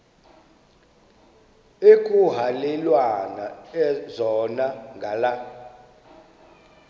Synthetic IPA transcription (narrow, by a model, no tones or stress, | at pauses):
ekʼuɦalɛlwanaɛzɔnaŋɡʱala